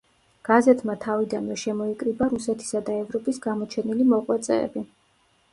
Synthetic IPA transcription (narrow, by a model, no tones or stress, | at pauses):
ɡ̥azɛt̪ʰmat̪ʰavid̪anvɛʃɛmɔikʼɾibaɾusɛt̪ʰi̥sad̪aɛvɾɔpʼisɡamɔt͡ʃʰɛnilimɔqʼwɛt̪sʼɛ̰ːbi